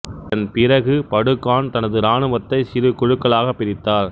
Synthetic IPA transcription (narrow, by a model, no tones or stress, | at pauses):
t̪ɐnpɪɾɐɣɯpɐɽɯkːaːnt̪ɐnɐðɯɾaːnɯʋɐt̪ːɐɪsɪɾɯkʊɻɯkːɐɭaːɣɐpːɪɾɪt̪ːaːɾ